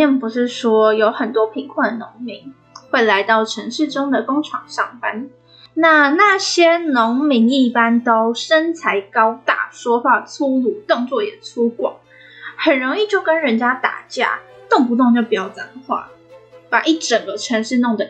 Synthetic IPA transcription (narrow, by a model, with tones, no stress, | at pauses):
ɛ˥˩npu˧˥ʂɻ̩˥˩ʂwɔ˥jo˧˥ʊxə˨˩nt̪wɔ˥pʰi˧˥ŋkʰwa˥˩nd̪ə˩nʊ˧˥ŋmi˧˥ŋ | xwe˥˩ɪla˧˥ɪt̪ɑ˥˩ʊʈ͡ʂʰə˧˥ŋʂɻ̩˥˩ʈ͡ʂʊ˥ŋd̪ə˨kʊ˥ŋʈ͡ʂʰɑ˨˩ŋɕɑ˥˩ŋpa˥n | na˥˧na˥˩ɕjɛ˥nʊ˧˥ŋmi˧˥ŋi˥˩pa˥nt̪o˥ʊʂə˥nt͡sʰa˧˥ɪkɑ˥ʊt̪a̰˥˩ʂwɔ˥xwa˥˩t͡sʰu˥lu˥˩t̪ʊ˥˧ŋt͡swɔ˥˩jɛ˨˩t͡sʰu˥kwɑ̰˨˩˦ŋ | xə˨˩nɻo˧˥ŋi˥˧t͡ɕjo˥˩ʊkə˥nɻə˧˥nt͡ɕja˥t̪a̰˨˩t͡ɕja̰˥˩t̪ʊ˥˩ŋpu˧˥t̪ʊ˥˧ŋt͡ɕjo˥˩pi˨˩jɑ˥˩ʊt͡sa˨˩nxwa̰˥˩pa˨˩ʔi˥˩ʈ͡ʂə˨˩ŋɡə˦ʈ͡ʂʰə˧˥ŋʂɻ̩˥˧nʊ˥˩ŋd̪ə˩